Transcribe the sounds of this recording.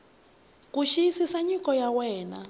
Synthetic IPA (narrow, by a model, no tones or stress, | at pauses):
kʼuʃiisisaɲikʼɔjawɛːna